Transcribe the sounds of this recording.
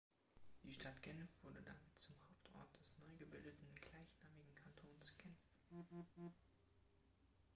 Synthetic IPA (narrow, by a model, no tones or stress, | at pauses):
d̥iːʃtʰatɡ̥ɛnfv̥ʊɐdədamɪtt͡sʊmhaʊptʰʔɔ̰ɐt̚d̥ɛsnɔʏɡəbɪldətn̩ɡ̥laɪçnaːmɪɡŋ̩kʰantʰoːnsɡ̥ɛnf